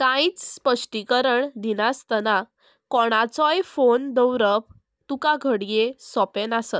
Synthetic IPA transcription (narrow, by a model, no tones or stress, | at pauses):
sãĩt͡sspəʂʈikəɾəɳd̪inast̪əna | kɔɽ̃at͡sɔjfond̪əwɾəp | t̪ukaɡʱəɽjesɔpenasət̪